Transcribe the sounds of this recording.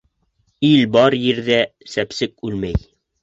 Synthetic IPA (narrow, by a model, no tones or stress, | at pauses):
ilbɑɾjiɾðæsæpsɘkʉlmæj